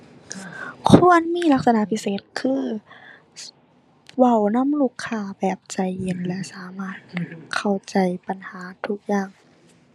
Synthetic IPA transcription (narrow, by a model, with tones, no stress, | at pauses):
kʰu˧˥˨ənmiː˧˥˨la˦˥k̚sa˧na˧˨pʰi˦˧˥seː˨˩t̪̚kʰɯː˧˨ | wa˧˩wna˧˥˨mluː˧˩kʰːaː˧˩bɛː˨˩p̚t͡ɕa˧˩jhe˨˩nlɛ˧saː˨˦maː˧˥˩t̪̚kʰa˧˩wt͡ɕa˨˩jpa˨nhaː˩˦t̪ʰu˧˥k̚jaː˧˩ŋ